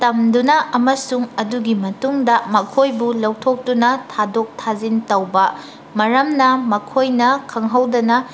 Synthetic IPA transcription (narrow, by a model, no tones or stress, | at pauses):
tɐmdunɐʔɐmɐsuŋɐduɡimɐtuŋdɐmɐkʰojbulɐwtʰok̚tunɐtʰadok̚tʰazintɐwbɐ | mɐɾɐmnɐmɐkʰojnɐkʰɐŋɦɐwdɐnɐ